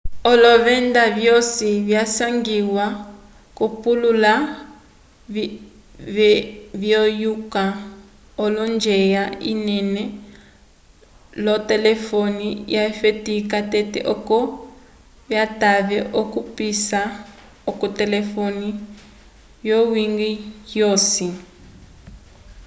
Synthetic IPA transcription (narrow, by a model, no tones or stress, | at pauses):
ɔlɔβɛndaβjɔsiβjasaŋɡiwa | kupulula | βjɔjuka | ɔlɔnd͡ʒɛjaḭnɛnɛ | lɔtɛlɛfonijafetikatɛtɛ̰ʔɔkɔ | βjataβɛʔɔkupisa | ɔkɔtɛlɛfoni | jɔwiŋɡijosi